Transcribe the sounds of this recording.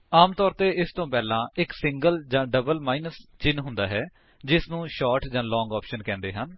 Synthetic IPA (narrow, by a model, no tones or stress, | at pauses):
aːmt̪ɔːɾt̪eːɪst̪õːpɛːlãːɪksɪŋɡəld͡ʒãːɖəbəlmaːinəst͡ʃɪnɦʊ̃nd̪aːɦɛː | d͡ʒɪsnũːʃɔːɾʈd͡ʒãːlɔ̃ːŋɡɔːpʃənkɛ̃ːnd̪eːɦən